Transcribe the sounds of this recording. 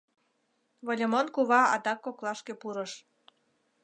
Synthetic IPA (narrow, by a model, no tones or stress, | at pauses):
βolʲəmonkuβɑɑ̰d̪ɑkːoklɑʃkepuɾəʃ